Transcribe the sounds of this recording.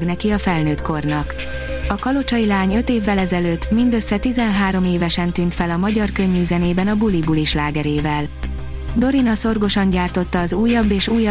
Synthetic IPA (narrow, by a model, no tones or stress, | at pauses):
ɡnɛkiɒfɛlnøːt̪ko̞rnɒk | ɒkɒlo̞t͡ʃɒjilaːɲø̞t̪eːvːɛlɛzɛløːt̪ːmind̪ø̞sːɛt̪izɛnɦaːɾo̞meːvɛʃɛnt̪yːnt̪fɛlɒmɒɟɒrkø̞ɲːyːzɛneːbɛnɒbulibuliʃlaːɡɛɾeːvɛl | d̪o̞ɾinɒso̞rɡo̞ʃɒɲɟaːrt̪o̞t̪ːɒːzuːjːɒbːeːʃuːjɒ